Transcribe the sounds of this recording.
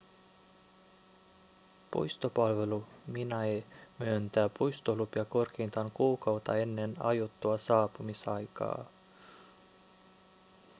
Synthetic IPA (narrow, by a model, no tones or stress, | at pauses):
pṵjst̪opɑlʋe̞luminɑemyønt̪æːpujst̪olupjɑko̞rk̟eːnt̪ɑŋkuːkɑwt̪ɑ̰e̞nːe̞nɑ̰jot̪ːuɑsɑːpumisɑjkɑ̰ː